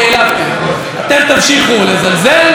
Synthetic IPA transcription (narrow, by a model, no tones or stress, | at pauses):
ejlae | at̪emt̪amʃiχulezalzel